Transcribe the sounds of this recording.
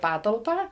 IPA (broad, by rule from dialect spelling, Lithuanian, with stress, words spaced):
ˈpɑːtɐlˠpɑː